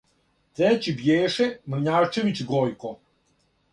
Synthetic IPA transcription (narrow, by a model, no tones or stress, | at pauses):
t̪ɾɛt͡ɕibjeːʃemr̩ɲaːt͡ʃeʋit͡ɕɡojko